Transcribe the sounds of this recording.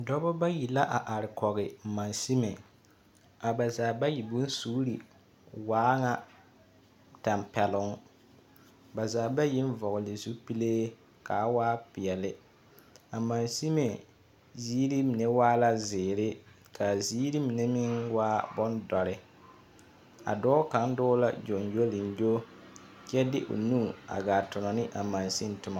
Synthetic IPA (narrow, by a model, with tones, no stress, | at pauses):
dɔ˦bɔ˦ba˦ji˨la˦ʔa˨ʔa˨ɾɪ˨kɔ˨ɣɪ˨ma˨nsi˦me˨ | a˨ba˨zaː˨ba˦ji˨bʊ˦n˦su˦ɾi˨ | waː˦ŋa˨ | ta˨mpɛ˨lʊ˨˦ŋ˦ | ba˨zaː˨ba˦ji˦n˦vɔ˨ɣʊ˨lɪ˨zu˦pi˦leː˦ | ka˨˦waː˦pɪ˨ɛ˨lɪ˦ | a˨ma˨nsi˦me˨ | zi˦ɾi˦mi˨ne˦waː˦la˦zɪː˨ɾɪ˦ | kʰa˨ziː˦ɾi˦mi˨ne˦mɪ˦ŋwaː˦bɔ˦ndɔ˨ɾɪ˦ | a̰˨dɔː˦ka˨˦n˦dɔː˦la̰˦d͡ʒo˨njo˦lɪ˨n˦jo˦ | t͡ʃɛ˦dɪ̰˦ʔʊ̰˨nuː˦˨a̰˨ɡaː˨tʊ˨nɔ˨nɪ˦ʔa˨ma˨nsi˦n˦tʊ˨ma˨